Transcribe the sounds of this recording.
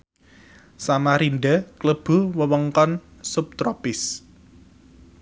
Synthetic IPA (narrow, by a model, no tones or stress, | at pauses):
samaɾinɖəkləb̥ṳwəwəŋkɔnsʊp̚t̪ɾɔpɪs